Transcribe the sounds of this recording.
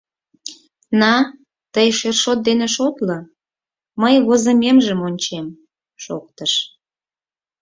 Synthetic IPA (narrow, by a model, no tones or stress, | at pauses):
nɑ | t̪əjʃerʃot̪̚d̪eneʃot̪lə | məjβozəmemʒəmonʲt͡ɕem | ʃo̰k̚t̪əʃ